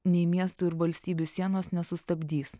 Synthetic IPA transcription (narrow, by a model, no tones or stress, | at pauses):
nʲɛɪmʲiɛst̪uːɪɾʋɐlʲsʲt̪ʲiːbʲusʲiɛnoːsnʲɛsʊst̪ɐbʲd̪ʲiːs